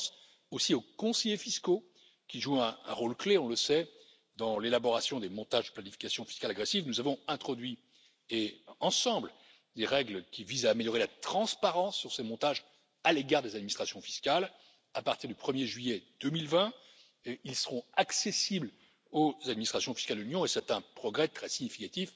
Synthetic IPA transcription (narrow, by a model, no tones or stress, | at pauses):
s | osiokɔ̃sɛjefisko | kʲiʒuɛ̃ɛ̰̃ʁolkleɔ̃ləsɛ | d̪ɑ̃lelabɔʁasjɔ̃d̪emɔ̃t̪aʒd̪əplanifi̥kasjɔ̃fi̥skalaɡʁesivnuzavɔ̃ɛ̃t̪χɔd̪ɥi | eɑ̃sɑ̃bl | d̪eʁɛɡlkʲivizaːmeljɔʁelat̪χɑ̃spaʁɑ̃sːyʁsemɔ̃t̪aʒ | aleɡaʁd̪ezad̪minist̪χasjɔ̃fi̥skal | apaʁt̪iʁd̪ypχəmjeʒɥijɛd̪̥əmilvɛ̃ | ilsəʁɔ̃aksesibl | ozad̪minist̪χasjɔ̃fi̥skald̪əlynjɔ̃esɛt̪ɛ̃pχɔɡʁɛt̪χɛsiɲifikat̪if